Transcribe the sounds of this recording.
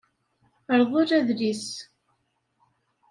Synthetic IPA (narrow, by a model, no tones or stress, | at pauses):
əɾðˤʊɾæðlis